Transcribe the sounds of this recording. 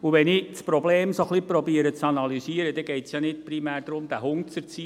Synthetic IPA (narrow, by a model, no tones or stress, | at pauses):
uʋɛnɪt͡spɾɔbleːmsoχlipɾɔbiəɾət͡sɑnɑlyziəɾəd̥̪ɛɡ̥ɛɪtsjɑnɪt̚primæːɾd̥̪ɾʊmd̥̪æɦʊŋt͡səɾt͡si